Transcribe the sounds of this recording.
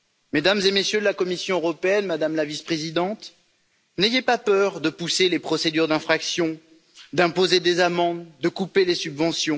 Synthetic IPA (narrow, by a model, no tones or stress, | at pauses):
med̪amzemesjød̪əlakɔmisjɔ̃øʁɔpeɛnmad̪amlavispχezid̪ɑ̃t̪ | nejepapœʁd̪əpuselepχɔsed̪yʁd̪ɛ̃fχaksjɔ̃ | d̪ɛ̃pozed̪ezamɑ̃d̪ːəkupelesybvɑ̃sjɔ̃